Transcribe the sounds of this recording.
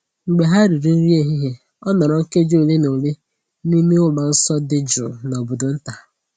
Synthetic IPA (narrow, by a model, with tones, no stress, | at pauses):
ŋ͡m̩˨ɡ͡be˨ɦa˦ɾi˨ɾi˨˦n̩˦ɾi˦e˦ɦi˦ɦe˦ | ɔ˦nɔ˨ɾɔ˨ŋ̩˦ke˦d͡ʒo˦˨le˦no˨le˦ | ni˦me˦ʊ˦ma˨n̩˦sɔ˦dɪ˦d͡ʒʊ̰˨no˨bʊ˨dʊ˨n̩˦ta˨